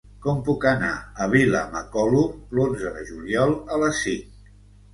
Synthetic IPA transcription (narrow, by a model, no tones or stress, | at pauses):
kɔmpukəna̰əβ̞ilə̰məkɔlulonzəðəʒuljɔlˠələsːiŋ